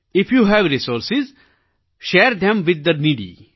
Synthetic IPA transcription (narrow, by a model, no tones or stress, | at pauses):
ɪfjuɦɛʋɾisoːɾsɪz | ʃɛːɾd̪ɛ̃mʋɪd̪ːəɾniɖḭ